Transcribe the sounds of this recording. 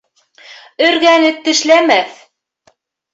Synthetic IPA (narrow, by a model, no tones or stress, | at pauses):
ɵ̆ɾɣænɘt̪ːɘ̆ʃlæmæθ